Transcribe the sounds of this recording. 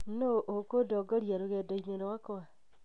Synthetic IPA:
noʔokodɔɡɔɾjaɾoɣɛdɔineɾowakɔa

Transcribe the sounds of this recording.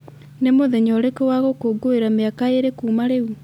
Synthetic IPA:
nemoðɛɲɔɾekɔwaɣokoːɡoeɾameakaeɾekuːmaɾeu

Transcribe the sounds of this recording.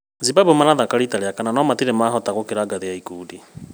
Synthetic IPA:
zibabomaɾaðakaɾitaɾeakananɔmatiɾemaɦɔtaɣokeɾaːɡaðejaikuːdi

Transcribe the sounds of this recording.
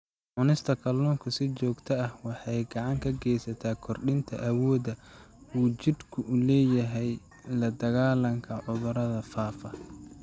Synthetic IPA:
ʕʊnɪst̪ʰɐkʰɐlːuːŋkʰʊsɪt͡ʃɔːɡt̪ʰɐɐhwɑħɑjɡɑʕɑŋkʰɐɡɛːjsɐt̪ʰaːkʰɔrɗɪnt̪ʰɐ̰ʔɐwɔːdɐ | uːt͡ʃɪd̪kʰʊʔʊlɛːjɐɦɛj | lɐd̪ɐɣaːlɐŋkʰɐʕʊðʊɾɐðɐfaːfɐ

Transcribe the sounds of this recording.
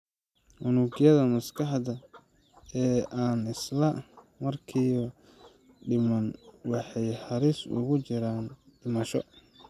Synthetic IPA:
ʔʊnuɡjɐðɐmɐskʰɑħdɐ | ɛːʔaːnɪslɐʔ | mɐrkʰiːɔ | ɖɪmɐnwɑħɑjħɑɾiːsʊ̰ɣʊt͡ʃɪɾaːnɖɪmɐʃɔ

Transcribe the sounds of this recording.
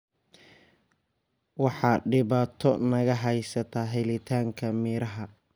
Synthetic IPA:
wɑħɑːɖɪβaːt̪ʰɔnɐɣɐɦɛjsɐt̪ʰaːɦɛlɪt̪ʰaːŋkʰɐmiːɾɐɦɐ

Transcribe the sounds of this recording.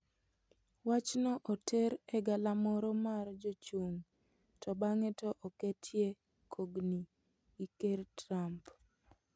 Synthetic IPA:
wat͡ʃnɔʔɔtʰeɾɛɡalamɔɾɔmard͡ʒot͡ʃuŋ | tɔbaŋɛtɔʔɔketʰje | kʰoɡni | ikertɾamp

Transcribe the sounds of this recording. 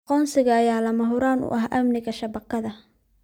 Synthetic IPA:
qɔːnsɪɣɐɐjaːlɐmɐɦʊɾaːnʊ̰ʔɐhʔɐ̰mnɪɣɐʃɐbɐqːɐðɐ

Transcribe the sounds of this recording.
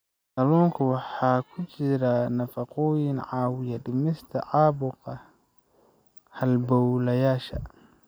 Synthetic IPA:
sɐlɔːŋkʰʊwɑħɑːkʰʊt͡ʃɪɾɐnɐfɑqɔːjɪnʕɑːwɪjɐdɪmɪst̪ʰɐʕɑːbʊqɑ | hɐlbɔwlɐjaːʃɐ̰

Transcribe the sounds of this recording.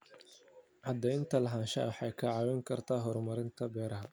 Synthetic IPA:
ʕɑd̪ɛjnt̪ʰɐlɐɦaːnʃɐħɑjkʰɐʕɑːwɛŋkʰɐrt̪ʰaːɦɔrmɐɾɪnt̪ʰɐbɛːɾɐɦɐ

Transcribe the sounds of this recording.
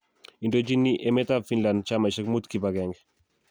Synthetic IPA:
indod͡ʒinːiʔemet̪afinland̚t͡ʃamaʃɛkmut̪kibaɡɛŋɡ

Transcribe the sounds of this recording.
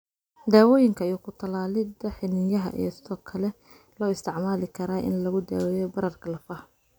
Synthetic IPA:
d̪aːwɔːjɪŋkʰɐjukʰʊt̪ʰɐlaːlɪd̪ɐħɪnɪjɐɦɐ̰ʔḭjɞsɪðɔːkʰɐlɛ | lɔːɪst̪ʰɪʕmaːlɪkʰɐɾaːʔɪ̰nlɐɣʊd̪a̰ːwɛːjɔbɐɾɐrkʰɐlɐfɐh

